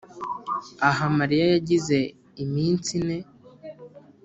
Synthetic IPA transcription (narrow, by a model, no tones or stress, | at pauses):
aɦamaɾijajaɟize̞ | imiːnt͡sine̞